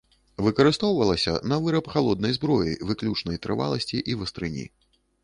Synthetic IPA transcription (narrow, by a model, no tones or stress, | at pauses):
vɨkɐɾɨst̪ɔwvɐlˠɐsʲɐ̰nɐvɨɾɐpxalˠɔd̪̚nɐjzbɾɔjḭvɨklʲut͡ʂnɐjt̪ɾɨva̰lˠɐsʲt͡sʲiʔivɐst̪ɾɨnʲḭ